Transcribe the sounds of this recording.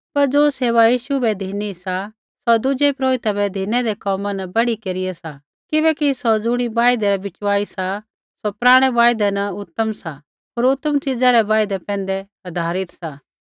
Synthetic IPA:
pɐɾd͡ʒoːseːʋajiːʃubɛd̪ʱiːnisa | sɔd̪ʊd͡ʒɛpɾoːɪt̪abɛd̪ʱiːnɛd̪ɛkɔːmãnɐbɐɽikeːɾɪjɛsa | kɪβɛkisɔd͡zʊɽ̃ibaːjd̪ɛɾɛbɪt͡ʃʋaːisa | sopɾaːɽ̃ɛʋaːjd̪ɛnɐʊt̪ːəmsa | ɦoːɾʊt̪ːəmt͡ʃɪd͡zaɾɛʋaːjd̪ɛpɛ̃ːnd̪ɛ | ɐd̪ʱaːɾɪt̪saː

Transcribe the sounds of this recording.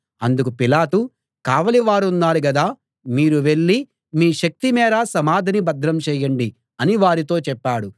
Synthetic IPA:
ɐnd̪ukupilaːʈu | kaːʋɐliʋaːɾunːaːɽuɡɐd̪aː | miːɾuʋe̞ɭːi | miːʃɐk̚t̪imɛːɾasɐmaːd̪ʱɐnibɐd̪ɾɐmt͡ʃɛːjɐɳɖi | ɐniʋaːɾit̪̬o̞ːt͡ʃɛpːaːɽu

